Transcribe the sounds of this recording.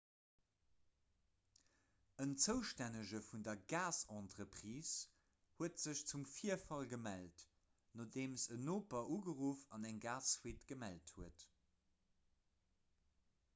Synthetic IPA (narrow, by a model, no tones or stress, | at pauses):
ənt͡səʊʃtænəʒəfundɐɡaːsɑ̃ːntʁəpχiːs | huətz̥əɕt͡sumfiːəfɑlɡəmælt | noːdeːmsənoːpɐʔuːɡəʁuːfɑnæŋɡaːswiːtɡ̥əmælthuət